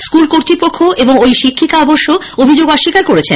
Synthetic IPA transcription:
skulkoɾt̪ɾipokʰːoeboŋojʃikʰːik̪aɔboʃːo | obʱid͡ʑoɡɔʃːikaɾkoɾet͡ɕʰen

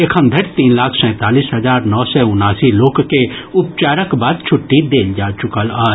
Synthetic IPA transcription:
ekʰə̃nd̪ʱəɾt̪iːnlaːkʰsɛ̃ːt̪aːliːsɦɐzaːɾnɔːsɛʊnaːsiloːkkːe | ʊp̚t͡ʃaːɾəkbaːd̪̚t͡ʃʰʊʈːid̪eːld͡ʒaːt͡ʃʊkəlaː

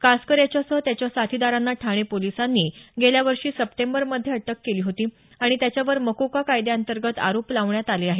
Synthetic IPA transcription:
kʰaskəɾjat͡ɕasəɦt̪jat͡ɕjasat̪ʰid̪aɾanːaʈʰaɽ̃epolisanːiːɡeljaʋəɾʂiːsəpʈembəɾməd̪ʱːjeəʈəkːeliːɦot̪iː | aɽ̃it̪jat͡ɕjaʋəɾməkokakajd̪eənt̪əɾɡət̪a̰ɾoplaʋɳjat̪aliːaɦe

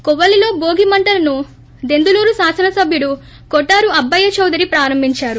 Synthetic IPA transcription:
kɔʋːɐlilo̞ːbo̞ːɡimɐɳʈɐlɐnu | d̪e̞nd̪uluːɾusaːsɐnɐsɐbʱjuɽu | kɔʈːaːɾuɐbːɐjːɐt͡ʃɐwd̪ɐɾipɾaːɾɐmbʱiɲt͡ʃaːɾu

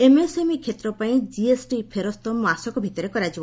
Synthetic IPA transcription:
emesemikʰet̪ɾɔpaĩd͡ʒiesʈipʰeɾɔst̪ɔmasɔkɔbʱit̪ɔɾekɔɾad͡ʒibɔ

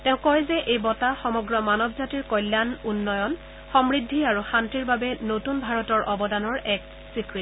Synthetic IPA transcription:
tɛʊ̃kɔjzɛʔejbɔtaxɔmɔɡɹɔmanɔbzatiɹkɔjlːjanunːɔjɔn | xɔmɹidʱːiaɹuxantiɹbabɛnotunbʱaɹɔtɔɹʔɔbɔdanɔɹɛk̚ | sikɹit

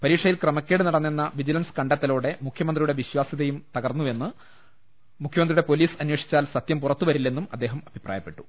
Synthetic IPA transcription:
pɐɾiːʈʂɐjilkrɐmɐkʲːeːɽɨnɐɽɐnːenːɐʋid͡ʑilɐnskɐɳɖɐt̪ːɐloːɽe̞mukʰjɐmɐnd̪rijuɽe̞ʋiɕwaːsiðɐjumt̪ɐɣɐrnːue̞nːɨ | mukʰjɐmɐnd̪riuɽe̞po̞liːsɐnːweːʂi̥t͡ɕːaːlsɐt̪jɐmpurɐt̪ːuʋɐɾilːe̞nːumɐ̰d̪ːe̞ːɦɐmɐbʱiprʔa̰ːjɐpːe̞ʈːu̥

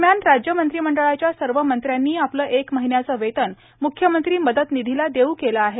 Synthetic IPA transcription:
mjanɾad͡ʑjəmənt̪ɾiːməɳɖəɭat͡ɕjasəɾʋəmənt̪ɾjanːiːapləːʔekməɦinjat͡səʋet̪ən | mukʰjəmənt̪ɾiːməd̪ət̪nid̪ʱilad̪eũkeləːɦe

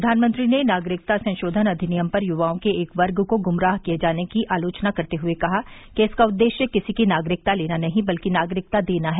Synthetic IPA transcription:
ɾɐd̪ʱaːnmə̃nt̪ɾinenaːɡɾɪk̚t̪asɐ̃ʃoːd̪ʱənɐd̪ʱɪnɪjəmpɐɾjʊʋaːõkeeːkʋɐɾɡkoɡʊmɾaːɦkied͡ʒaːnekiʔaːloːt͡ʃnakɐɾt̪eɦʊekɐɦakeɪskaʊd̪ːeːʃjəkɪsikinaːɡɾɪk̚t̪aleːnanɐɦĩbɐlkinaːɡɾɪk̚t̪ad̪eːnaɦɛ

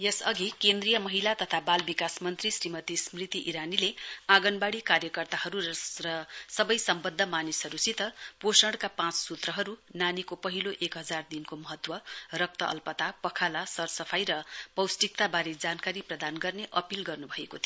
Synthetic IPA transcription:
jesʌɡikend̪rijʌmʌɦilat̪ʌt̪ʰabalbikasmʌnt̪risrimʌt̪ismrit̪iʔiɾanileaɡʌnbaɽikarjʌkʌrt̪aɦʌɾurʌsʌbʌjsʌmbʌd̪ʱːʌmanisɦʌɾusit̪ʌposʌɽkapãt͡ssut̪rʌɦʌɾunanikopʌɦiloʔekɦʌd͡zard̪inkomʌɦʌt̪wʌrʌk̚t̪ʌʔʌ̰lpʌt̪apʌkʰalasʌrsʌpʰajɾʌpʌwsʈik̚t̪abaɾed͡zankaɾiprʌd̪anɡʌrneʔʌpilɡʌrnubʱʌekot̪ʰio

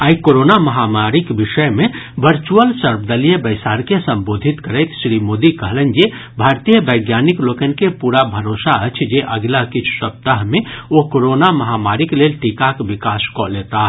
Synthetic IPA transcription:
aːikoːɾoːnamɐɦamaːɾikbɪʃəmẽʋəɾt͡ʃuəlsəɾbd̪əlijəbəɪsaːɾkesɐ̃mboːd̪ʱɪt̪kəɾɛt̪ʰʃɾiːmoːd̪ikəɦlənd͡ʒe | bʱaːɾt̪ijəbəɪɡjaːnɪkloːkənkepuːɾabʱəɾoːsaət͡ʃʰd͡ʒeʔəɡlakɪt͡ʃʰsəb̚t̪əɦmẽoɦkoːɾoːnamɐɦaːmaːɾikleːlʈikakʋɪkaːskɔleːt̪aɦɛ

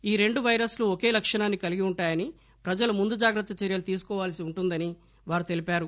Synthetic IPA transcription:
iːɾe̞ɳɖuʋɐjɾɐsluoke̞ːlɐkʂɐɳaːnːikɐliɡiuɳʈaːjɐni | pɾɐd͡ʒɐlɐmund̪ud͡ʒaːɡɾɐt̪ːɐt͡ʃɐɾjɐlɐt̪iːs̬u̥kɔːʋaːlɐsiuɳʈund̪ɐni | ʋaːɾut̪e̞lipaːɾu

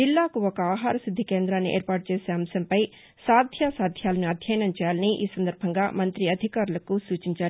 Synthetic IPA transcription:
d͡ʒilːaːkuɔkɐaːɦaːɾɐsid̪ʱːikeːnd̪ɾaːnːiʔḛːɾpaːʈ̚t͡ʃeːseːɐmsɐmpɐj | saːd̪ʱjaːsaːd̪ʱjaːlɐniɐd̪ʱjɐjnɐmt͡ʃɛːjaːlɐniʔiːsɐnd̪ɐɾbʱɐŋɡaːmɐnt̪ɾiɐd̪ʱikaːɾulɐkusuːt͡ʃiɲt͡ʃaː

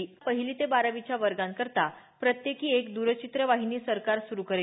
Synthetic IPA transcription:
pəɦiliːt̪ebaɾaʋit͡ɕaʋəɾɡãŋkəɾt̪a | pɾət̪jekiːekd̪uɾət͡ɕit̪ɾəʋaɦiniːsəɾkaɾsuɾukəɾe

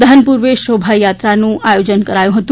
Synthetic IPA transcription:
d̪əɦənpuɾʋeʃobʱajat̪ɾanũʔajod͡ʒənkəɾajũɦət̪ũ

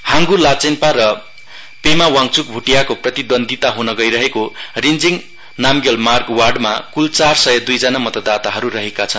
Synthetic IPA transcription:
hãŋɡulat͡senpaɾʌ | pemawaŋt͡suk̚bʱuʈijakoprʌt̪ib̪ʌnd̪ʱit̪aɦunʌɡʌjɾʌɦekorind͡ziŋ | namɡʌlmarɡwarɖmakult͡sarsʌjʌd̪ujd͡zʌnamʌt̪ʌd̪at̪aɦʌɾuɾʌɦekat͡sʰʌn

